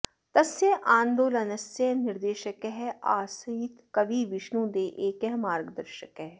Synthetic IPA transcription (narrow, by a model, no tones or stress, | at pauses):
t̪ɐsjeʔãːnd̪oːlɐnɐsjenɪɾd̪eːʃəkɦɛaːsiːt̪kɐʋiʋɪʃnũːd̪eːʔeːkɛɦmaːɾɡd̪ɐɾʃəkɦɛ